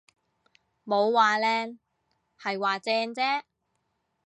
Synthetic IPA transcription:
mo˨˧wwaː˨lɛː˧n | hɐ˨jwaː˨t͡sɛː˧ŋt͡sɛː˥

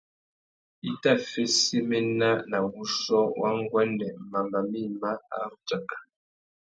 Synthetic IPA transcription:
i˦ta˦˨fe˦si˦me˦na˦na˨wu˦sɔ˦wa̰˦ŋ˦ɡwɛ˦ndɛ˨ma˨mba˨mi˦ma˦a̰˦ŋ̩˦t͡ʃa˨kḁ˨

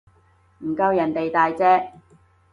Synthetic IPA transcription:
m̩˨˩kɐ˧wjɐ˨˩nt̪e˨jt̪aː˨jt͡sɛː˥

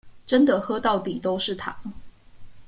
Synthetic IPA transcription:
ʈ͡ʂə˥nd̪ə˨xɤ˥t̪ɑ˥˩ʊt̪i˨˩t̪o˥ʊʂɻ̩˥˩t̪ʰa̰˨˩˦ŋ

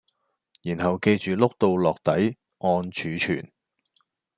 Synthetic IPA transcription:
jiː˨˩nhɐ˨wke˧jt͡ʃyː˨lʊ˥k̚t̪o˧wlɔː˨k̚t̪ɐ˨˥j | ŋɔː˧nt͡ʃʰyː˨˧t͡ʃʰyː˨˩n

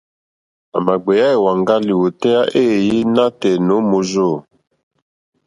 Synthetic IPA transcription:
a̰˨ma˨ɡ͡be˨ja˦e˨wa˨ŋɡa˦li˨wu˨tɛ˦ja˦ʔe˦˨ji˦na˦tɛ˨no˨˦mo˨zo˦˨

